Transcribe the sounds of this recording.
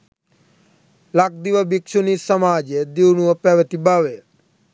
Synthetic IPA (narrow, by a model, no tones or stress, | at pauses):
lak̚d̪iʋəbikʃunisəmaːd͡ʒed̪iwnuəpɛʋət̪ibaːʋe